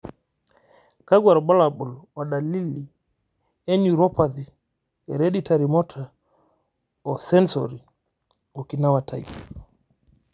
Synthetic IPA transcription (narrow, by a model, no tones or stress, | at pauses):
kaɡwaɾbalaɓɔlwaɗalilːi | ɛɲuɾɔpadi | ɛɾeɗitaɾimɔtʰa | ɔsɛnso̰ɾi | ɔkinawata̰j